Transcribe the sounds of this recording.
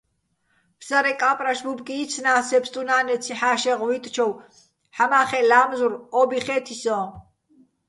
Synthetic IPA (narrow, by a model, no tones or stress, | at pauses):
pʰsaɾɛkʼapʼɾaʃbubkʼiːt͡sʰnaːsɛpst̪ʼunaːnɛt͡sʰiħaːʃɛʁvit̪ʼt͡ʃʰɔw | ħamaːχɛlaːmzuɾɔbiχɛːt̪ʰisɔ